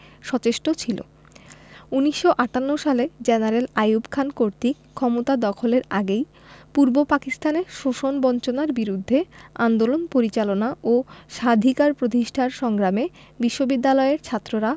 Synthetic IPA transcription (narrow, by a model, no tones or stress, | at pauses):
ʃɔt͡ɕeʃʈot͡ɕʰilo̰ | uniʃːoʔaʈanːoʃaled͡ʑenaɾelajubkʰankoɾt̪ikkʰːɔmot̪ad̪ɔkʰoleɾa̰ɡej | puɾbopakist̪ʰaneʃoʃonbɔnt͡ɕonaɾbiɾud̪ʱːeand̪olonpoɾit͡ɕalonaʔoʃad̪ʱikaɾpɾot̪̬iʃʈʰaɾʃɔŋɡɾame | biʃːobid̪ːalɔeɾt͡ɕʰat̪ːɾoɾa